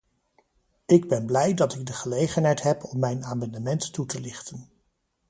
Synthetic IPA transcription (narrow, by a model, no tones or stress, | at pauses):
ɪɡ̚bɛnblɛjdɑtɪɡ̚dəχəlejχənɦɛjtɦɛpɔmːɛjnaːmɑndəmɛntːutəlɪχtən